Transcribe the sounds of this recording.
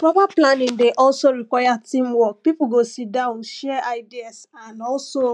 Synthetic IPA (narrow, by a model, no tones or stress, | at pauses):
pɹɔpaplãnĩŋdeʔɔlsoɾikwajatĩmwɔk̚pipuɡosidãʊ̃nʃɛaɪdiasãnɔlso